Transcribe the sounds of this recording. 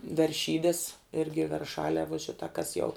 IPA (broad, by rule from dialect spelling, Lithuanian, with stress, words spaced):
ʋʲɛrʲˈʃʲiːdʲɛs ˈɪrʲɡʲɪ ʋʲɛrˈʃɑːlʲɛː ʋuɔ ˈʃʲɪtɐ kɐs jɛʊ